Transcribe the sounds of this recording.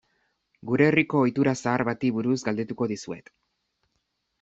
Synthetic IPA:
ɡuɾe̞ːriko̞ːjt̪uɾasaːɾβat̪iβuɾuzɡald̪e̞t̪uko̞ðisue̞̰t̪

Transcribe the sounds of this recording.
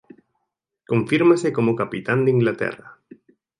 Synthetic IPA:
kõ̞ɱfiɾmasekomokapit̪and̪eiŋɡlat̪ḛra

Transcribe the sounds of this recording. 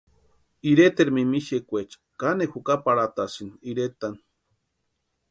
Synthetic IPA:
iɾet̪eɾmimiʃekʷet͡ʃ | kanexukapaɽat̪asiniiɾet̪an

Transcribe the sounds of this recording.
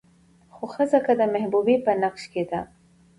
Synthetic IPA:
xoxəzakad̪əmahbubipənaqʃked̪a

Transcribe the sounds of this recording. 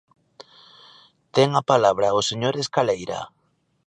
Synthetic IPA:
t̪eŋapalaβɾaoseɲoɾeskalejɾa̰

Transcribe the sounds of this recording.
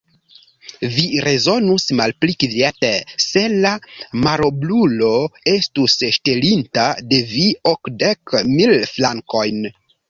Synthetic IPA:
viɾe̞zo̞nusmalplikvetese̞lamaɾoblulo̞e̞stusʃte̞lintade̞viokde̞kmilflaŋko̞jn

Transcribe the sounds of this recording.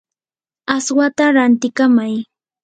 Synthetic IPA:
aswat̪aɾant̪ɪkamaj

